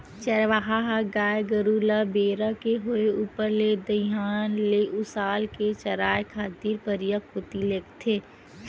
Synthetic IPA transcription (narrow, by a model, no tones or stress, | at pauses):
t͡ʃɐɾʋaɦaɦaɡaːjɡəɾuːlabeːɾakeɦʊeuːpəɾled̪əjaːnleʔʊsaːlket͡ʃɐɾaːjkʰaːt̪iːɾpəɾijakot̪ileːkt̪ʰeː